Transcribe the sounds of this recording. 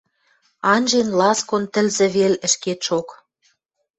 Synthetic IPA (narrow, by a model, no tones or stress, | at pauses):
ɑnʲʒenlɑskont̪ə̆lzĕβelə̆ʃket̪ʃok